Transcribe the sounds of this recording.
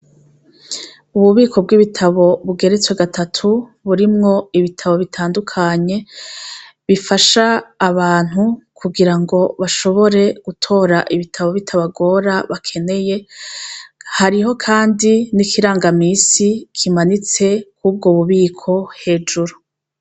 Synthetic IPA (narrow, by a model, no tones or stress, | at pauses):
uβuβiːkʰo̞b̚ɡiβitʰaβo̞βuɡe̞ɾet͡swe̞ɡatʰatʰuβuɾimŋo̞iβitʰaβo̞βitʰaːndukʰaɲe̞ | βifaʃaːβaːn̥hukʰuɡiɾaŋɡo̞βaʃo̞βo̞ɾe̞ɡ̥utʰo̞ɾaʔiβitʰaβo̞βitʰaβaɡo̞ːɾaβakʰe̞ne̞je̞ | haɾiɦo̞kʰaːndinikʰiɾaːŋɡamiːsikʰimanit͡se̞kuːb̚ɡoβuβiːkʰo̞he̞ːd͡ʒuɾu